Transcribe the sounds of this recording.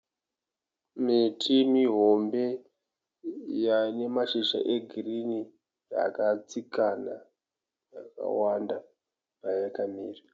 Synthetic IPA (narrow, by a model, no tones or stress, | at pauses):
mitʰimiɦo̞mbe̞ | jane̞maʃiʃa̰ʔe̞ɡʱirini | a̰kat͡sikana | jaka̰wanda | pajakamiːri